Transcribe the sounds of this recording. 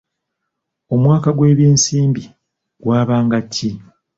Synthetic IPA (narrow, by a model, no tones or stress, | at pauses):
o̞mwaːkaɡwe̞ːβjeːnsiːmbi | ɡwaːβaːŋɡatʰːi